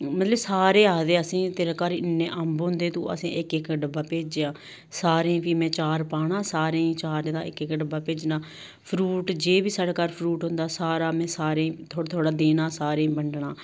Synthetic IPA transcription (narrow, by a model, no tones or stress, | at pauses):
mət̪ləbsaːɾeːaːd̪eːəsĩːt̪eːɾaːkaːɾiɪnːẽːʔəmbɦʊ̃nd̪eːt̪õ̰ːə̰sḭ̃ːʔɪkɪkɖəbaːpeːd͡ʒeːãː | saːɾẽːpiːmɛ̃ːt͡ʃaːɾpaːɽãːsaːɾẽːĩːt͡ʃaːɾẽːd̪a̰ːɪkɪkːɖəbaːpeːd͡ʒnãː | pʰɾuːʈd͡ʒeːbiːsaːɽaːkaːɾpʰɾuːʈɦʊ̃nd̪aːsaːɾaːmɛ̃ːsaːɾẽːt̪ʰoːt̪ʰoːɽaːd̪eːnaːsaːɾẽːbəɳɖɳaː